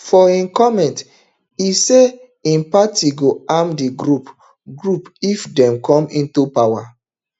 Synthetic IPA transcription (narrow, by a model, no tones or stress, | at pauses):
fɔĩnkɔmɛ̃nt | ise | ĩnpatiɡoamdiɡɾup | ɡɹupifdɛ̃mkɔ̃mĩntupawa